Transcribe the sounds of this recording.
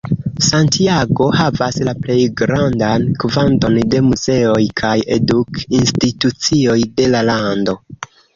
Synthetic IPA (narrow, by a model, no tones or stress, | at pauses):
santiaɡo̞havaslaple̞jɡɾandankvanto̞nde̞muze̞o̞jkʰaje̞dukinstitut͡sio̞jde̞lalando̞